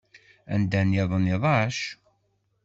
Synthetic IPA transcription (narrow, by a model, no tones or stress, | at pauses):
æ̰nd̪ænjeðˤəniðˤɑʃ